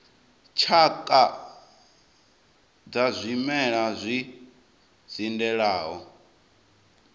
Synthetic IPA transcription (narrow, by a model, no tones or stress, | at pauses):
t͡ʃʰakʼa | d͡zazʷimɛɺazʷi | zindɛɺaːɦɔ